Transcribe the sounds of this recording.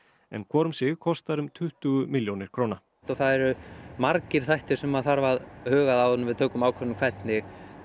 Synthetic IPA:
ɛ̰nkʰɔːɾʏmsɪɣkʰɔst̪aɾʏmt̪ʰʏht̪ʏɣʏmɪljownɪɾ̥kʰɾoːwna | t̪ɔθaðɛɾʏmaɾcɪɾ̥θajht̪ɪɾ̥sɛmaðθaɾvaðhœːɣaðawvʏnʏmvɪðt̪ʰœːkʏmaːwkʰɛnʏmkʰvɛt̪nɪɣ

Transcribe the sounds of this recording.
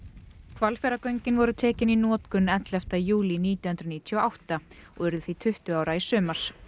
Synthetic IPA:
kʰvalfɛɾakœɥjɲcɪnvɔɾʏt̪ʰɛːcɪninɔːt̪kʏnɛnt̪lɛft̪ajuːliniːt̪jɔhnt̪ɾaniːt̪ʰjɔawht̪aɔɣɛɾðʏθit̪ʰʏht̪ʏaːwɾaisœːmaɾ̥

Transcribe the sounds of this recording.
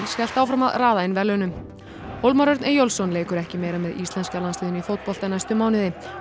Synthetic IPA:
nsçɛl̥t̪awfɾamaðraːðaɪnvɛlːœnʏm | howlmaɾœɾt̪nɛjowlsɔnleːjkʏɾɛhcɪmeːjɾamɛðist̪lɛnskalanst̪ɪːðʏnifoːwt̪̚pɔl̥t̪anajst̪ʏmaːwnɪðɪ

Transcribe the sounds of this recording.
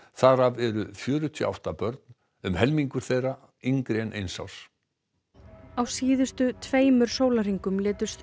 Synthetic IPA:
θaɾavɛɾʏfjœːɾʏt̪ʰjʏːʔa̰wht̪apœɾt̪n | ʏmhɛlmiŋkʏɾ̥θejra | iŋkɾɛnʔejnsa̰ws | awsiːðʏst̪ʏt̪ʰveːjmʏɾ̥soːwlar̥iŋkʏmlɪːt̪ʏ̥st̪

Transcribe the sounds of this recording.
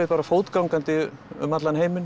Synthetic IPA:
epaːɾafoːwt̪kawŋkant̪ɪʏ̰mat̪lanheːjmɪn

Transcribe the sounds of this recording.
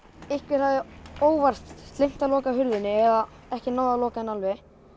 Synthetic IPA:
ɪhkvɪɾ̥θaðɛɾoːwvar̥t̪st̪lejm̥t̪alɔːkaɦʏɾðɪnːɪɛða | ɛhcɪnaːðalɔːkaɪnalvɪ

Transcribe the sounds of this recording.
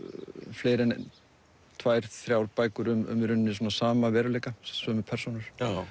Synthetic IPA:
fleːɾɛn | t̪ʰvaːjɾ̥θɾjawɾpaːjkʏɾʏmʏ̰mɾʏnnɪs̬ɔːnasaːmavɛːɾʏlejkasœmɪpʰɛɾ̥sunʏɾ̥

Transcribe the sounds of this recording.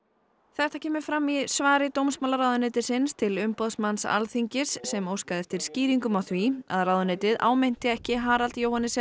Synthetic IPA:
θɛht̪acʰɛːmʏ̥fɾamːiðsvaːɾɪt̪owmsmaːlaɾaːwðʏnɪːt̪ɪsɪnst̪ʰɪlʏmpɔðsmansa̰lθiɲcɪsːɛmowskaðɛft̪ɪɾ̥sciːɾiŋkʏmawθvia̰ðrawðʏneːt̪ɪða̰ːwmɪn̥t̪ɪɛhcɪɦaːɾalt̪jowhanːɪsɛ

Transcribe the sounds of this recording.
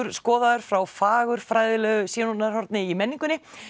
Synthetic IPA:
ʏɾ̥skɔːðaðʏɾ̥fɾawfaːɣʏɾ̥fɾajðɪlɛːɣʏsjɛːnunaɾ̥hɔɾt̪nɪimɛnːiŋkʏnɪ

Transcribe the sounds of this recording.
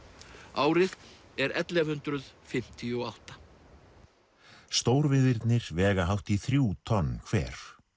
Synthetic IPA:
aːwɾɪð | ɛɾɛ̰t̪lɛvhʏnt̪ɾʏðfɪm̥t̪ʰiɔawht̪ḁ | st̪oːwɾvɪðɪɾt̪nɪɾ̥vɛːɣaɦawht̪iθɾjuːt̪ʰɔnːkʰv̥ɛ̰ːɾ̥

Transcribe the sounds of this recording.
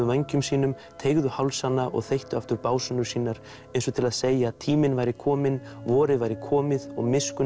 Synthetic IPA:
ʏvajɲcʏmsiːnʏm | t̪ʰeːjɣðʏhawlsanːaʔɔ̰ɣθejht̪ʏaft̪ʏɾpaːwsʏnʏɾ̥siːnaɾ | ɛjnsɔt̪ʰɪlaðseːjaːðt̪ʰiːmɪnvaːjɾɪkʰɔːmɪnvɔːɾɪvajɾɪkʰɔːmɪðɔ̰ɣmɪskʏ

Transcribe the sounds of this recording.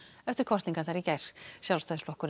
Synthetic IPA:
ɛft̪ɪɾ̥kʰɔr̥t̪nĩŋkaðθaɾicɛjɾ̥sjawlst̪aðʏsflɔhkʏɾ

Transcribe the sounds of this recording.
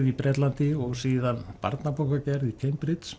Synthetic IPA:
ðipɾɛːt̪lant̪ɪɔɣsiːðanpa̰ɾt̪napowkacɛɾðicʰejmpɾɪt̪s

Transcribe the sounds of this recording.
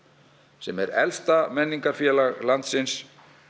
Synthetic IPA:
sɛmɛɾɛ̰lst̪amɛnːiŋkaɾfjɛːlalant̪sɪns

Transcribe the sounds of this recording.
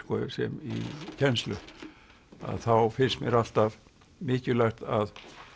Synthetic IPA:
kɔsɛ̰mḭcʰɛnst̪lʏ | a̰ðθawfɪnst̪mjɛɾal̥t̪av | mɪːcɪlajxt̪að

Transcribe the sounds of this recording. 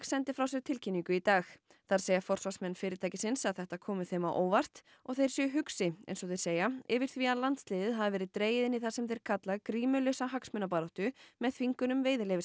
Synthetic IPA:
sɛnt̪ɪfɾawsɛɾt̪ʰɪlcʰinːiŋkʏit̪aːx | θaɾ̥seːjafɔr̥svasmɛnːfɪːɾɪt̪ʰaːjcɪsɪnsaðθɛht̪akʰɔːmʏθeːmaʔoːwvar̥t̪ | ɔ̰ɣθejɾ̥sjɛɦʏksɪɛ̰jnsɔθej̥seːjaɪvɪɾ̥θviaðlant̪st̪lɪːðɪðɦavavɛːɾɪðt̪ɾeːjɪðɪniθasɛmθejɾ̥kʰat̪laɣkɾiːmʏlœsaɦaksmʏnap̬aːɾɔht̪ʏmɛðθviŋkʏnʏmveːjðɪlejvɪ

